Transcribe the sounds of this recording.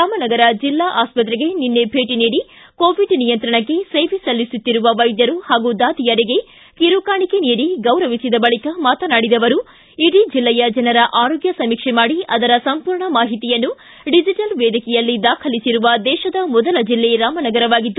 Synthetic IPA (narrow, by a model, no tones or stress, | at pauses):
ɾaːmɐnɐɡɐɾɐd͡ʒilːaːʔaːspɐt̪̬ɾeɡe̞ninːe̞bʱeːʈiniːɽi | koːʋiɖnijɐnt̪ɾɐɳɐkːe̞seːʋisɐlːisut̪ːiɾuʋɐʋɐjd̪jɐɾuhaːɡud̪aːd̪ijɐɾiɡe̞ | kiɾukaːɳike̞niːɽiɡɐwɾɐʋisid̪ɐbɐɭikɐmaːt̪ɐnaːɽid̪ɐʋɐɾu | iɽid͡ʒilːɛjɐd͡ʒɐnɐɾɐʔaːɾoːɡjɐsɐmikʂemaːɽiʔɐd̪ɐɾɐsɐmpuːɾɳɐmaːɦit̪ijɐnːu | ɖid͡ʒiʈɐlʋɛːd̪ikɛjɐlːid̪aːkʰɐlisiɾuʋɐd̪ɛːʃɐd̪ɐmɔd̪ɐlɐd͡ʒilːeɾaːmɐnɐɡɐɾɐʋaːɡid̪ːu